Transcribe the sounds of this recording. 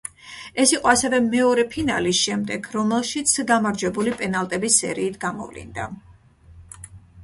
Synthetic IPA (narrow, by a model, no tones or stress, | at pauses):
ɛsiqʼɔasɛvɛmɛɔɾɛpʰina̰lisʃɛmd̪ɛɡɾɔmɛlˠʃit̪sʰɡamaɾd͡ʒwɛbulipʼɛnalˠt̪ʼɛbisːɛ̰ɾiːt̪ʰɡamɔ̰vlḭnd̪a